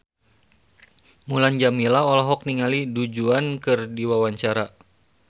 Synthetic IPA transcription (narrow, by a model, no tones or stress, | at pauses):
muland͡ʒamilaɔlɔɦɔk̚niŋalidud͡ʒuankɨrdiwawaɲt͡ʃaɾa